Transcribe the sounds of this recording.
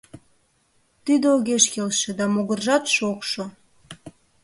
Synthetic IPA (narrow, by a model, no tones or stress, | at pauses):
t̪id̪eoɣeʃkelʃĕd̪ɑmoɣərʒɑt̪ʃokʃo